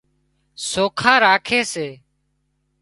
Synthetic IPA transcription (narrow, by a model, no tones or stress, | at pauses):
soːkʰaːɾaːkʰeːseː